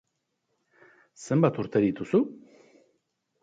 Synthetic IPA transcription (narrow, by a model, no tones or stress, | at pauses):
səmbat̪ʰuɾt̪ʰəɾit̪ʰusu